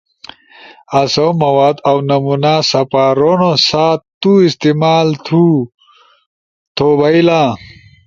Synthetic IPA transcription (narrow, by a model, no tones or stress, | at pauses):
ɐsowmɐwaːd̪ɐwnɐmunasɐpaːɾonosaːt̪t̪uist̪imaːlt̪ʰu | t̪ʰobɐilã